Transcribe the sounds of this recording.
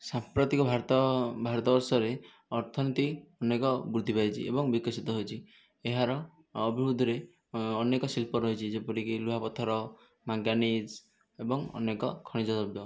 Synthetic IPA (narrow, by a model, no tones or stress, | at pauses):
sampɾɔt̪ikɔbʱaɾt̪ɔbʱaɾɔt̪ɔbɔɾsɔɾe | ɔɾt̪ʰɔnit̪iɔnekɔbuɾd̪ʱipajt͡ʃʰḭḛbɔŋbikɔsit̪ɔɦojt͡ʃʰi | eɦaɾɔː | bʱiɾud̪ʱɔɾe | ɔnekɔsilpɔɾɔɦjt͡ʃʰid͡ʒepɔɾikiluɦapɔt̪ʰɔɾɔ | maɡjanid͡ʒ | ebɔŋɔ̰nekɔkʰɔɽ̃id͡ʒɔɔbɔ